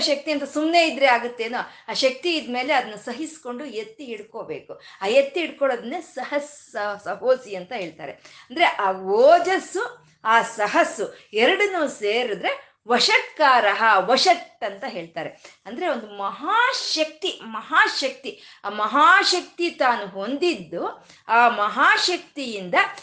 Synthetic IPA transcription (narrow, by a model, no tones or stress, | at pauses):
ʃɐk̚t̪iɐnt̪ɐsumne̞ːid̪ɾeaːɡut̪ːeːnoaːʃɐk̚t̪iːd̪me̞ːleɐd̪ɐnːusɐɦisko̞ɳɖujet̪ːiiɽkoːbe̞̰ːkuaːjet̪ːiiɽkoɭoːd̪ɐnːesɐɦɐsɐsɐɦoːsiɐnt̪ɐɦe̞ːɭt̪a̰ːɾḛɐnd̪ɐɾe̞ʔaːʋoːd͡ʒɐsu | aːsɐɦɐsuɛɾɐɽunuːseːɾud̪ɾe̞ | ʋɐʂɐkkːaːɾɐɦɐʋɐʂɐʈːɐnt̪ɐɦe̞ːɭt̪aːɾeɐnd̪ɐɾe̞o̞nd̪umɐɦaːʃɐk̚t̪imɐɦaːʃɐk̚t̪i | mɐɦaːʃɐk̚t̪it̪aːnuɦo̞nd̪id̪ːu | aːmɐɦaːʃɐk̚t̪ijind̪ɐ